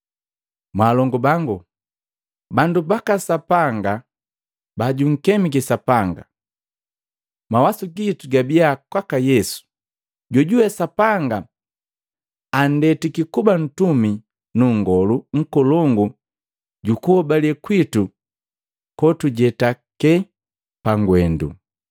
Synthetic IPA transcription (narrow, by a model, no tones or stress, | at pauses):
mwaːlɔŋɡɔbaŋɡu | bandubakasapaŋɡa | baɟuŋ̩kɛmikɛsapaŋɡa̰ | mawasuɡituɡabiakwakajɛsu̥ | ɟɔɟuwɛsapaŋɡa | ndɛtikikuban̩tumi | nuŋ̩ɡɔluŋ̩kɔlɔŋɡu | ɟukuɔbalɛkwitu | kɔtuɟɛtakɛ | paŋɡwɛndṵ